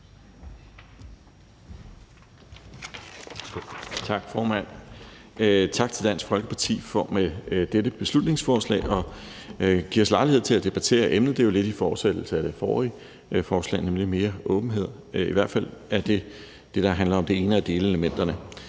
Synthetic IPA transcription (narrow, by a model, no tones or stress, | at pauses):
t͡sʰɑ̈ɡ̥fɒːmæn̰ | t͡sʰɑ̈ɡ̥̚t͡sʰe̝ld̥æn̰sɡ̥fɒ̽lɡ̥əpʰɑ̈t͡sʰḭːfɒ̽med̥ed̥əb̥e̝slud̥ne̝ŋsfɒːslɛ̰ːɪʔɒ̽ | ɡ̥iɐ̰ɒslɑ̈ɪlihe̝̰t͡sʰe̝læd̥e̝b̥æt͡sʰe̝̰ːɐʔemnð̩ˠd̥e̝jo̝le̝d̥ifɒ̥ːsed̥l̩səæd̥e̝fɒːʁi | fɒːslɛ̰ːnemlime̝ːɐʔɔ̽ːb̥n̩ɦe̝ð̞̰ˠ | iʋæɐ̰d̥fæl̰æɐd̥e̝ | d̥e̝ɾ̥ɑ̈ɦænlɐɒ̽md̥e̝e̝ːnəæd̥e̝ːləeləmen̰d̥ɐnə